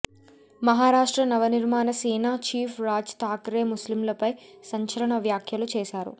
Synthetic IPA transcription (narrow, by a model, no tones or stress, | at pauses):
mɐɦaːɾaːʂʈɾɐnɐʋɐniɾmaːnɐsiːnaːt͡ʃiːpʰɾaːd͡ʒt̪aːkɾeːmuslimlɐpɐjsɐɲt͡ʃɐlɐɳɐʋjaːkʰjɐlut͡ʃɛːʃaːɾṵ